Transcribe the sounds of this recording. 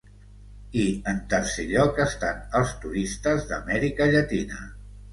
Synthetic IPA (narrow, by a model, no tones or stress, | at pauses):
iənt̪əɾseʎɔkəst̪anəlˠst̪uɾist̪əzðə̰mɛɾikəʎət̪inə̰